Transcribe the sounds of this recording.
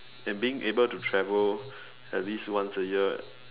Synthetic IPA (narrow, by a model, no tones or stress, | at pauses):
ɛ̃nbiɪ̃ŋʔebəltutʰɹɛvəl | ɛt̚liswãnsəjiə